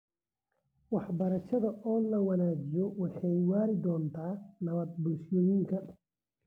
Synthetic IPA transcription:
wɑħbɐɾɐʃɐðɐɔːlɐwɑnaːd͡ʒɪjɔwɑħɑjwaːɾɪd̪ɔːnt̪ʰaːnɐβɐd̪̚bʊlʃɔjiŋkʰɐ

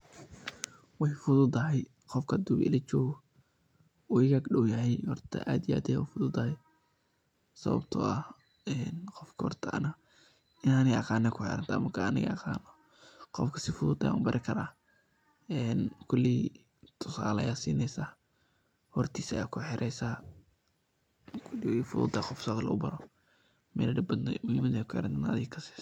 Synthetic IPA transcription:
wɑħfʊðʊd̪ɐɦɛj | qɔfkʰɐd̪ʊbɪ̰lɐt͡ʃɔːɣ | uɪɣaːɡɗɔwjɐɦɛjhɔrt̪ʰɐ̰ʔaːd̪ɪja̰ːd̪ɛja̰ufʊðʊd̪ɐhɛj | sɐ̰βɐ̰bt̪ʰɔ̰ɐ | ɛnqɔfkʰɐhɔ̰rt̪ʰɐɐ̰nɐ | ɪnɐnɪɑqɑːnɛkʰʊħɛ̰ɾɐnt̪ʰaːmɐkʰɐɐnɪɣɐ̰ɑqɑ̰ːnɔ | qɔfkʰɐ̥sɪfʊðʊd̪ɐja̰nʊbɐɾʔɪkʰɐɾaː | ɛnkʰʊlːi | t̪ʰʊsa̰ːlɐjaːsiːnɛjsa | hɔrt̪ʰiːsɐjaːkʰʊħɪɾʔɛjsa | kʰʊliwfʊðʊ̰d̪aːqɔfsaklɐ̰ʊ̰bɐɾɔ | mɛ̰lɐɖɪbɐd̪nɛmʊhimɐðkʰʊħɪ̰ɾɐnt̪anaɐðɪːkʰɐsi̥s

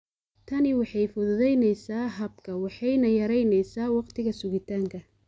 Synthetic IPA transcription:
t̪ʰɐnɪwɑħɑjfɔðɔðɛjnɛjsaːɦɐbkʰɐwɑħɑjnɐjɐɾɛjnɛjsaːwɑqt̪ʰɪɣɐsʊɣɪt̪ʰaːŋkʰɐ

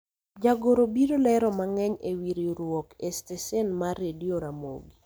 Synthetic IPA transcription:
d͡ʒaɡoɾobiɾolɛɾɔmaŋɛɲewiɾiɾwɔkestesɛnmaɾedioɾamo̰ɡi

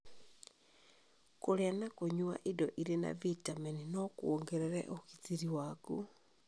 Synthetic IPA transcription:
koɾeanakoɲwa̰ʔidɔʔiɾena̰vitamɛninɔkwoŋɡɛɾɛɾɛ̰ʔoɣitiɾiwaku

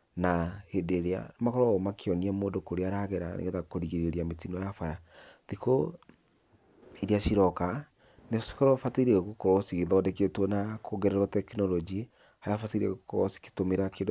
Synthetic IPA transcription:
nahedeɾea̰nmakɔɾɔɔmakʰeɔniɛmoːndokoɾeaɾaɣeɾa̰nḛɣeðakoɾiɣeɾeɾiametinɔjafaɾaðiko | iɾeaʃiɾɔka | nesi̥kɔɾɔfateɾɛɣukɔɾɔsiɣeðɔdeketwɔnakʰoɡɛɾɛɾɔtɛkinɔlɔd͡ʒi | ajafatiɾiɛ̰ɣokɔɾɔsi̥ki̥tomeɾakeːndo

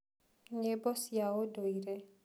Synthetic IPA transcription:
ɲebɔsjawodoiɾe

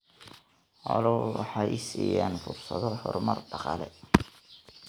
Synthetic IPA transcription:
ʕɔlɔwwɑħɑːʔɪsiːjaːnfʊrsɐðɔhɔrmɐrɖɑqɑːlɛ

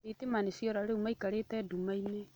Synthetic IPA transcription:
etemanesiɔɾaɾeumaikaɾetɛːdumaine

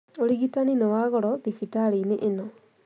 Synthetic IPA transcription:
oliɣitaninɔwaɣɔɾɔðifitaɾineʔːnɔ

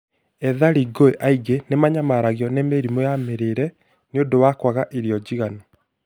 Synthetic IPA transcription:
ɛðaɾiɡoeʔaiɡenemaɲamaɾaɣjɔnemeɾimojameɾeɾɛ | neondowakwaɣaʔeɾiɔd͡ʑiɣanɔ

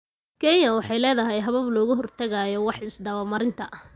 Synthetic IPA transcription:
kʰɛnjɐwɑħɑjlɛːðɐɦɛjɦɐβɐβlɔːɣʊɦɔrt̪ʰɐɣajɔwɑħɪsd̪ɐβɐmɐɾɪnt̪ʰɐʔ

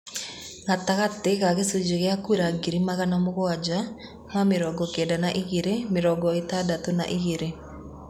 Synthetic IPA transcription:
ŋataɣateɣaɣesud͡ʒeɣeakuɾaɡiɾimaɣanamoɣoad͡ʒa | hameɾɔɡɔkedanaʔiɣeɾemeɾɔɡɔetadatona̰ʔiɣeɾe

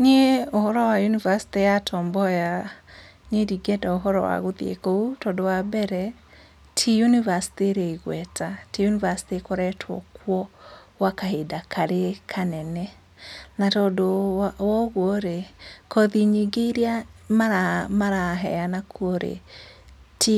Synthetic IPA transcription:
ɲeohɔɾɔwajunivasi̥tejatʰɔːmbɔja | ɲediɡɛdaoɦɔɾɔwa̰ɣoðiḛkoutɔndowabɛɾɛ | tʰijunivasi̥teɾeiɣwɛtatijunivasi̥tekoɾɛtʰwɔ̰kwɔ | wakaɦedakʰaɾekʰanɛnɛ | natɔdowɔɣwoɾekɔðiɲeɡeɾiamaɾamaɾaɦɛ̰anakʰuoɾḛ | ti

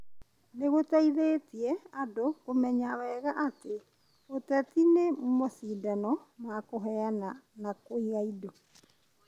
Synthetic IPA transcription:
neɣotaiðeːtiɛadokomɛɲawɛɣaʔate | otatinemumoθiːdanɔmwakoɦɛananakoiɣaidɔ

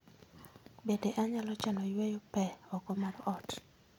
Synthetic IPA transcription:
bedeʔaɲalɔt͡ʃalɔjwɛjɔpɛɔkɔmaɾɔt

